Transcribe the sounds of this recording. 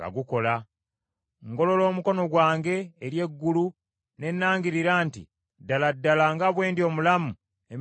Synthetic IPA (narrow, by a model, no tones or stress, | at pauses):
a̰ɡuko̞la | ŋɡo̞lo̞lo̞ːmuko̞no̞ɡwaːŋɡe̞ːɾje̞ɡːulu | ne̞nːaːŋɡiɾiɾaːntḭ | daladːalaŋɡaβwe̞ːndio̞ːmulamu | e